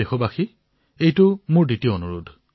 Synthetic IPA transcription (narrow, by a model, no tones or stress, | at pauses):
exɔbaxi | ejtʊmʊɹditijoonuɹudʱ